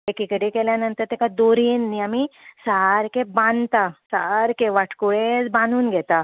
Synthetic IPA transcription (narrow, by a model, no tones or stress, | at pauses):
ekikəɽikɛljanənt̪əɾt̪ekad̪oɾinːiamisaɦaɾkebãnt̪asaɾkeʋaʈʰkuɭet͡sbãnuːnɡʱɛt̪a